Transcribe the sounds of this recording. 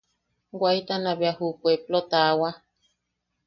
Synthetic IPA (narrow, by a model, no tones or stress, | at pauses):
ɡwait̪anaβjahupʷeplot̪awa